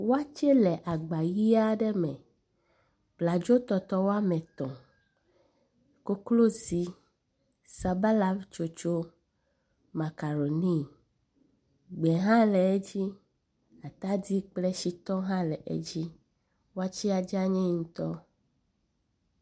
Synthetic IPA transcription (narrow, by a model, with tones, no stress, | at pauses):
wo˦a˦t͡ʃɛ˦lɛ˨ʔa˨ɡ͡ba˨ji˦a˦ɖɛ˦mɛ̃˨ | k͡pla˨d͡ʒo˦t̪ɔ˨t̪ɔ˦wo˦a˦mɛ̃˨t̪ɔ̰̃˨ | ko˦klo˦zi˦ | sa˨ba˦la˦t͡ʃo˨t͡ʃo˦ | ma˨ka˨ɾo˨ni˦ | ɡ͡bɛ˨ɦã˦lɛ˨e˦d͡ʑi˦ | a˨t̪a˦di˦k͡plɛ˦ʃi˦t̪ɔ˦ɦã˦lɛ˨ʔḛ˦d͡ʑi˦ | wo˦a˦t͡ɕi˦a˨d͡ʒa˦ɲɛ̃˦ŋũ˦t̪ɔ˦